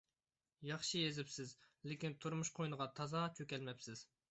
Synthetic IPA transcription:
jɑχʃɨjezɪpsɪz | lɪkʲint̪ʰuɾmuʃqʰojnəʁɑt̪ʰɑzɑt͡ʃʰøkʲɛlmɛpsɪz̥

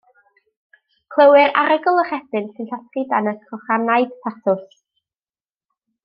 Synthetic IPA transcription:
kʰlˠəwɪɾa̰ɾəɡʊlˠəχɛθɪnsɨnɬɔtridanəskʰɔχanajd̥pʰatʰʊs

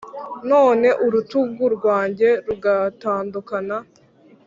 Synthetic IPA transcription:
no̞ːne̞ʔuɾutub̚ɡuɾɡwaːɲɟe̞ɾuɡataːndukana

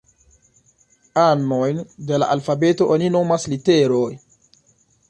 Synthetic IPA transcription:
anːojnde̞la̰ʔalfabe̞to̞ʔonino̞masliteɾoj

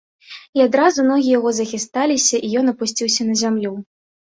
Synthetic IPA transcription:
iad̪ɾazumnɔɣʲijaɣɔzɐxʲist̪alʲisʲɐʔijɔnɐpusʲt͡sʲiwsʲɐnɐzʲamlʲu

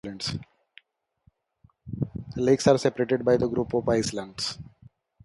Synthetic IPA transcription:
lẽɳɖs | leːksaːɾsepəɾeːʈeɖ̚baɪd̪əɡɾuːpɔfaɪslãɳɖs

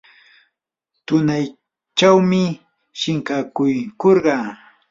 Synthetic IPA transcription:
t̪ʊnaj | t͡ʃawmɪ | ʃɪŋkakʊjkoɾɢɑː

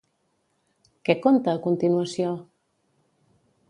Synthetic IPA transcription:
kekont̪aːkont̪inwasjo

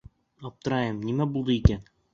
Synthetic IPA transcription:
ɒp̚t̪ɤ̆ɾɑjɤmnimæbulˠd̪ɤikæn

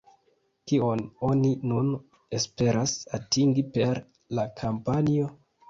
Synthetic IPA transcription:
kio̞no̞ninun | e̞spe̞ɾʔasatiŋɡipe̞ɾ | lakʰampanio̞

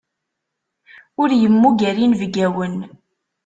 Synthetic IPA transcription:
ʊɾjəmːuɡæɾinvɡæwən

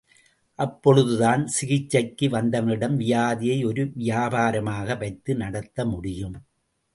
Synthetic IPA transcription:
ʔɐpːɔɻɯðɯðaːnsɪɣɪt͡ʃːɐkːɯʋɐnd̪ɐʋɐnɪɽɐmʋɪjaːðɪjɐɪɔɾɯʋɪjaːbaːɾɐmaːɣɐʋɐɪt̪ːɯnɐɽɐt̪ːɐmʊɽɪjɯm

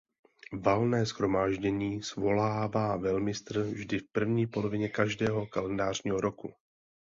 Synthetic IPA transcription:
valnɛːsxɾo̞maːʒɟɛɲiːsvo̞laːvaːvɛlmɪst̪r̩vʒdɪfpr̩vɲiːpo̞lovɪɲɛkaʒdɛːɦo̞kalɛndaːr̝ɲiːɦo̞ɾo̞ku

